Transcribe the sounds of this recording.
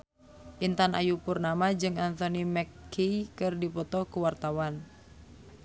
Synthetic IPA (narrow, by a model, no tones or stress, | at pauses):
ʔint̪ana̰jupurnamad͡ʒɨŋant̪onimɛkːiikɨrdipɔt̪ɔkuwart̪awan